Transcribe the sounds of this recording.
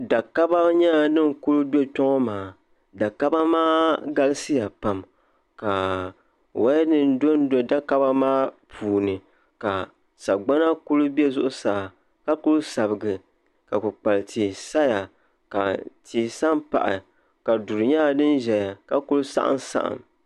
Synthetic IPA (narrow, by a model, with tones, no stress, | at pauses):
da˨ka˦ba˦ɲa˦˨nɨ˦n˦kʊ˦ɾʊ˦be˦tɔ˦ŋɔ˦maː˨ | da˨ka˦ba˦maː˦ɡa˦lɨ˦sɨ˦ja˨pa˨m | ka˨ | wa˦nɨ˦n˦do˦n˦do˦da˦ka˦ba˦maː˦pʰuː˨nɨ˨ | ka˨ | sa˨ɡ͡ba˦na˦ku˦lu˦be˦zʊ˦ʔʊ˦saː˨ | ka˦kʊ˦lsa˨bɨ˨ɡɨ˨ | ka˨kʊ˨k͡pa˨ltʰiː˨sa˦ja˨ | ka˨tʰiː˨sa˦npa̰˨ʔɪ̰˨ | ka˨du˨ɾɨ˨ɲa˦˨nɨ˦n˦ʒɛ˨ja˨ka˦kʊ˦lʊ˦sa̰˦ʔa̰˦nsa̰˦ʔa̰˨m